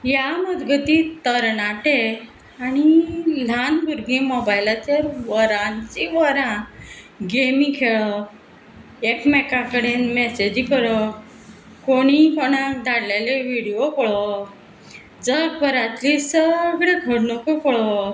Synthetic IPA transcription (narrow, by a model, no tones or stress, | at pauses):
jaməd̪ɡʱət̪it̪əɾɳaʈe | aɽ̃il̤anbʱuɾɡĩmɔbajlat̪eɾʋəɾãnt͡ɕiʋəɾã | ɡemĩkʰeɭə | ekmɛkakəɽenmɛsed͡ʑikəɾə | koɽ̃ikoɽ̃ãd̪ʱaɽlaleʋiɽiokɔɭɔ | d͡zəɡ̚bʱəɾãt̪lisəɡɭeɡʱəɽnokokɔɭɔ